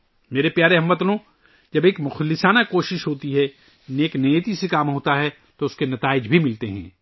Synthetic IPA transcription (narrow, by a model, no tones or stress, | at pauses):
meːɾepjaːɾeɦɐ̃mʋɐt̪lnõ | d͡ʒɐbeːkmʊxəlːɪsaːnakoːʃɪʃɦoːt̪iɦɛ | neːknejət̪isekaːmɦoːt̪aɦɛ | t̪oʊskenɐt̪aːɪd͡ʒbʱimɪlt̪eɦɛ̰̃ː